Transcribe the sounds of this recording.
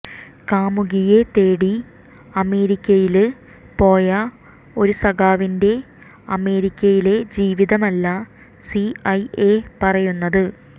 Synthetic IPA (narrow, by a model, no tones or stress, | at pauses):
kaːmuɣije̞t̪e̞ːɽi | ɐme̞ːɾikʲːɐjilɨ | po̞ːjɐ | o̞ɾusɐɣaːʋinde̞ | ɐme̞ːɾikʲːɐjile̞d͡ʑiːʋiðɐmɐlːɐ | siɐjepɐrɐjunːɐðɨ